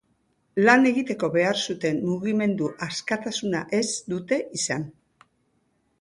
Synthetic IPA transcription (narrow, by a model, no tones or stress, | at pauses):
lane̞ɣit̪e̞ko̞βe̞aɾsut̪e̞nːuɣime̞nd̪uʔaskat̪asunaʔe̞zd̪ut̪e̞ʔisan